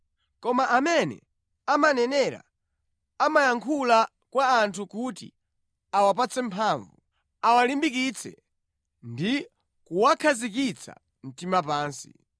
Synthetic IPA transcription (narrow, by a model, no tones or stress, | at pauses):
kɔmaʔamɛnɛ̰ | amanɛnɛɾa̰ | amajaŋkʰula | kwaːntʰukutḭ | awap̬at͡sɛmpʰaːɱvu | awalimbik̬it͡sʰɛ̰ | ndi | kuwakʰazikit͡sʰa̰ | m̩timapaːnsḭ